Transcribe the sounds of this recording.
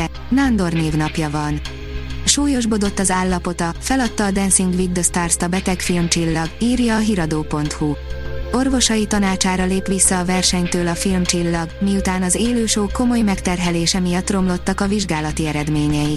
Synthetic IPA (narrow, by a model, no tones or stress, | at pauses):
and̪o̞rneːvnɒpjɒvɒn | ʃuːjo̞ʒbo̞d̪o̞t̪ːɒzaːlːɒpo̞t̪ɒfɛlɒt̪ːɒːd̪ɛnsiŋɡʋid̪d̪ost̪aːrst̪ɒbɛt̪ɛkfilmt͡ʃilːɒɡiːrjɒːɦiɾɒd̪oːpo̞nt̪huo̞rvo̞ʃɒjit̪ɒnaːt͡ʃaːɾɒleːpʋisːɒːvɛrʃɛɲt̪øːlɒfilmt͡ʃilːɒɡmiut̪aːnɒzeːløːʃoːko̞mo̞jmɛkt̪ɛrɦɛleːʃɛmijɒt̪ːro̞mlo̞t̪ːɒkɒviʒɡaːlɒt̪iɛɾɛd̪meːɲɛji